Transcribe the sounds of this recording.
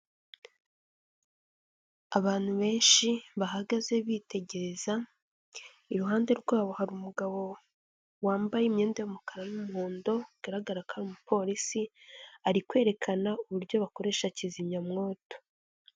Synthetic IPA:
aβaːn̥huβe̞ːnʃiβaɦaɡaze̞βiːte̞ɟe̞ɾe̞za | iɾuɦaːnde̞ɾɡwaːβo̞haɾumuɡaβo̞ | waːmbajeimɲe̞ːndejomukaɾanumuhoːndo̞uɡ̥aɾaɡaɾakhaɾiumupʰo̞ɾisiaɾikwe̞ːɾe̞kʰanauβuɾjo̞βako̞ɾe̞ːʃaciziɲɲamŋo̞ːto̥

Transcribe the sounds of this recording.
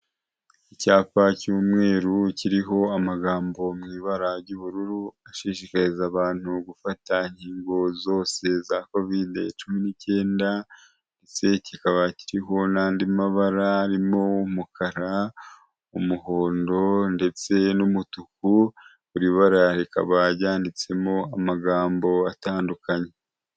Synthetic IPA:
icaːpacuːmŋe̞ːɾuciɾiɦo̞amaɡaːmbo̞mŋiːβaɾaɾɟuβuɾuɾuaʃiʃikaɾizaβaːn̥huɡufataɲhiːŋɡo̞zo̞ːse̞zako̞videt͡ʃuminice̞ːnda | nde̞t͡se̞cikaβaciɾiɦonaːndimaβaɾaːɾimo̞wumukʰaɾa | umuho̞ːndo̞nde̞t͡se̞numutuku | βuɾiːβaɾaɾika̰βaɟaːndit͡se̞mo̞amaɡaːmbo̞ataːndukaɲe̞

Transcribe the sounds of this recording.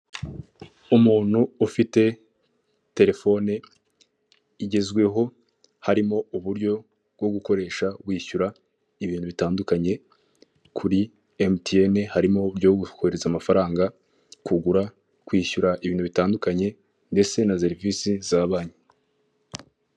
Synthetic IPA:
umuːn̥huufite̞ | te̞ɾe̞fo̞ne | iɟe̞zɡwe̞ɦo̞ | haɾimo̞uβuɾɟo̞ | bɡo̞ɡuko̞ɾe̞ːʃaɡwiːçuɾa | iβiːn̥uβitaːndukaɲe̞ | kʰuɾi | emtienehaɾimo̞ɾjoɡukoeɾezamafaɾaːŋɡa | kuɡuɾa | kwiːçuɾaʔiβiːnhuβitaːndukaɲe̞ | nde̞t͡se̞nas̬e̞ɾivisizaβaːɲe

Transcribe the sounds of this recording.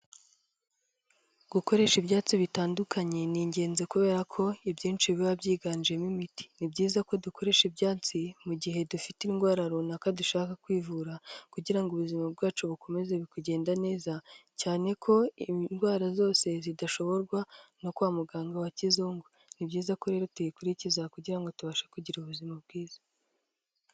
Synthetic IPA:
ɡ̥uko̞ɾe̞ʃibjaːt͡siβitaːndukʰaɲe̞niːɲɟe̞ːnze̞kuβe̞ːɾakʰo̞ibjiːnt͡ʃiβiβabɟiːɡaːnd͡ʒiemimiti̥nibɟiːzako̞dukʰo̞ɾe̞ʃibɟaːt͡simuɟiɦe̞dufitinɡwaːɾaɾonakaduʃaːkakwiːvuɾakuɟiɾaŋɡuβuzimabɡaːt͡ʃoβuko̞me̞zeβikuɟe̞ːndane̞ːzacaːne̞kʰo̞inɡwaːɾazo̞ːse̞zidaʃo̞βo̞ɾɡwano̞kwaːmuɡaːŋɡawacizuːŋɡu | nibɟiːzako̞ɾe̞ːɾo̞tujikuɾicizakuɟiɾaŋɡo̞tuβaʃḁkuɟiɾuβuzimab̚ɡ̥iːz̥a

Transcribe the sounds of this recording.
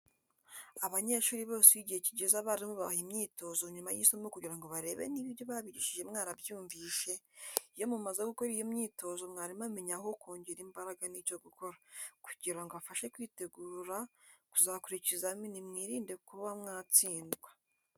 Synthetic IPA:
aβaɲe̞ʃuːɾiβo̞ːseβiɟiheciɟe̞zaβaːɾimoβahimɲiːto̞zoɲumajisomokuɟiɾaŋɡo̞βaɾe̞ːβḛniβiβjo̞βaβiɟiʃiʒe̞mŋaːnabjuːɱviːʃe̞ijo̞mumazeɡuko̞ɾijomɲiːto̞zo̞mŋaːɾimameɲaho̞kuːɲɟiɾimbaɾaɡanico̞ɡuko̞ɾaku̥ɟiɾaŋɡoβafaʃe̞kwiːte̞ɡuɾakuzakuɾicizaminimŋiːɾiːnde̞kuβamŋaːt͡siːndɡwḁ

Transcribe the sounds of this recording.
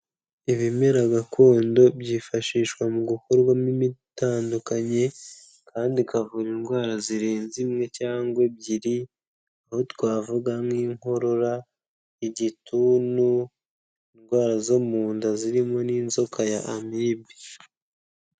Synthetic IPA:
iβime̞ɾaɡakʰoːndo̞bjiːfaʃiːʃkwamuɡukoɾɡwamimitaːndukaɲe̞ | kʰaːndikavuɾinɡwaːɾaziɾeːnzimŋe̞caːŋɡwe̞b̚ɟiɾi | ahotwaːvuɡamŋiːŋho̞ɾo̞ɾa | iɟitunu | inɡwaːɾazomuːndaziɾimo̞niːnzo̞kʰajaʔːmibi

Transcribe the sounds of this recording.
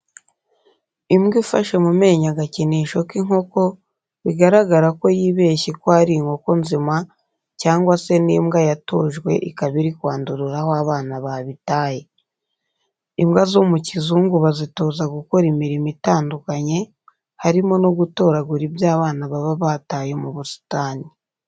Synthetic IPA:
imɡifa̰ʃemume̞ːɲaɡaciniʃo̞kiŋo̞ko̞ | βiɡaɾaɡaɾako̞jiːβe̞ːçikwoaɾiŋho̞ko̞nzima | caːŋɡwase̞niːmɡajato̞ːʒɡwe̞ʔikaβiɾikwaːnduɾuɾahoaβaːnaβaβitaːje̞ | imɡazomucizuːŋɡuβazito̞ːzaɡuko̞ɾimiɾimitaːndukaɲe̞ | haɾimo̞no̞ɡuto̞ːɾaɡuɾibjaːβaːnaβaβaβaːtajemuβusi̥taːni

